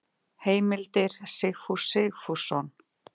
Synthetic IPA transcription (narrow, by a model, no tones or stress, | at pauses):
heːjmɪlt̪ɪɾ̥sɪxfusɪɣfusɔn